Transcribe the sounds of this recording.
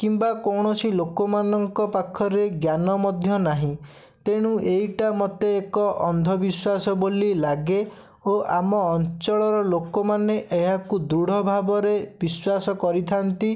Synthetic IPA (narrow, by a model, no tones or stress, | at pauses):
kimbakɔwɽ̃ɔsilokɔmanɔŋkɔpakʰːɔɾeɡjanɔmɔd̪ʱjɔnaɦĩ | t̪eɽ̃ũʔejʈamɔt̪eːkɔʔɔnd̪ʱɔbiswasɔbolilaɡe | oʔamɔːnt͡ʃɔɭɔɾɔlokɔmaneʔeɦakud̪ɾuɽ̤ʱɔbʱabɔɾebiswasɔkɔɾit̪ʰant̪i